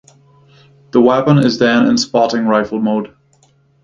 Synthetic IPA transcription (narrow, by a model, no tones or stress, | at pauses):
ðəwɛpə̃nɪzðə̃nɪ̰̃nspɑɾɪ̃ŋɹaɪfl̩ˠmoʊd̥